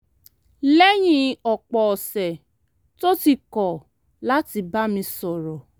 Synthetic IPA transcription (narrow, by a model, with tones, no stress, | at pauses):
lɛ˦j̃ĩ˦ɔ˨k͡pɔ˨ɔ˨sɛ˨ | to˦ti˧kɔ˨ | la˦ti˧ba˦mĩ˧sɔ˨ɾɔ˨